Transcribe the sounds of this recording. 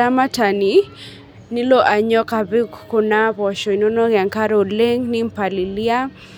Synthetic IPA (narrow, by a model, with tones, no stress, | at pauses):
a˦ma˦ta˨ni˨ | nɪ˦lo˦ʔa˨ɲɔ˦ka˨bɪ˦kko˨na˦bɔ˨ʃɔ˨i˨no˦no˦ɡɛ˨ŋka˦ɾo˨le˦ŋnɪ˦m̩˨pa˨lɪ˨li˦a˦